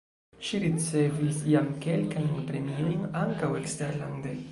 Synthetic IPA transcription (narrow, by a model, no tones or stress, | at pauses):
ʃiɾit͡se̞visjamke̞lkajnpɾe̞mio̞jnaŋkaweksteɾland̪e